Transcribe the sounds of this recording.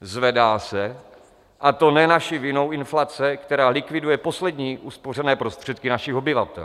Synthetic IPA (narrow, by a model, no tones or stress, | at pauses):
zvɛdaːsɛ | ʔat̪o̞nɛnaʃɪvɪno̞wʔɪnflat͡sɛkt̪ɛɾaːlɪkvɪdujɛpo̞slɛdɲiːʔuspor̝ɛnɛːpɾost̪r̝̥ɛt̪kɪnaʃɪxo̞bɪvat̪ɛ̰l